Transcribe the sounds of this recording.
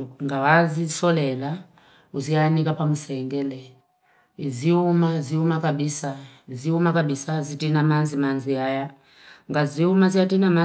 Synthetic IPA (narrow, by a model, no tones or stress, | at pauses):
ŋɡawazisɔlɛla | uzianikapamusɛŋɡɛlɛ | iziumaziumakaɓisaiziumakaɓisazitinamanzimanziaja | ŋɡaziumaziatinama